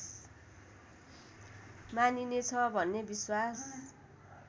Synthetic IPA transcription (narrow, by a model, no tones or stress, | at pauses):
maninet͡sʰʌbʱʌnːebiswas